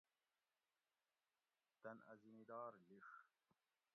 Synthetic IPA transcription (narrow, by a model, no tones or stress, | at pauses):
t̪ɐnɐ̰zinid̪aːɾliʂ